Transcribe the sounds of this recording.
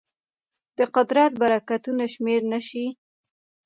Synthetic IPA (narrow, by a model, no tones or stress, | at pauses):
d̪̥əqʊd̪ɾat̪baɾakat̪unaʃmeɾnaʃi